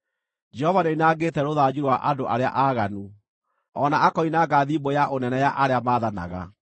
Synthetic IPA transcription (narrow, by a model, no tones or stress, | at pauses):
d͡ʒɛhɔvaneinaːɡeːtɛɾoðaːd͡ʑiɾwaʔadoʔaɾea̰ʔaːɣanu | ɔnaʔakɔinaɡaðiːbojaʔonɛnɛjaʔaɾeamaːðana̰ɣa̰